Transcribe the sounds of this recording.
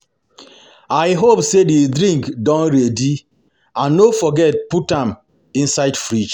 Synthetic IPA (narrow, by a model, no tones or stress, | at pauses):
aɪɦopsededɾĩŋkdãnɾedi | ãnːofɔɡɛt̚putãm | ĩnsaɪdfɾid͡ʒ